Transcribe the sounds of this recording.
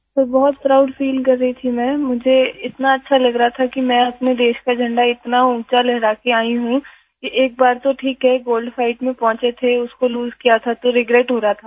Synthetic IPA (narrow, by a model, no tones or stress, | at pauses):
t̪oːbɔɦʊt̪sɾaːʊʈfiːlkɐɾːəit̪ʰimɛ̃ːmʊd͡ʒʱeɪt̪naɐtːʃʰalɐɡɾɐɦat̪ʰakimɛ̃ːɐpned̪eːʃkad͡ʒʱɐ̃ɳɖaɪt̪naũːt͡ʃalɛɦɾaːkeaːiɦũ | kiʔeːk̚baːɾt̪oʈʰiːkɦɛɡoːlɖfaːɪʈmẽpɔ̃ːt͡ʃet̪ʰeʊskoluːzkijat̪ʰat̪oɾɪɡɾeːʈɦoːɾaɦat̪ʰaː